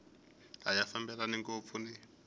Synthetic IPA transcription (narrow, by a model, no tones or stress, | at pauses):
ɦajafambɛɺaniŋɡop̪fʰuni